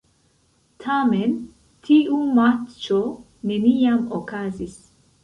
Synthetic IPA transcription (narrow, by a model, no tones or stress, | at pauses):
tʰamen | tʰiʔumatt͡ʃo | nenijamokazis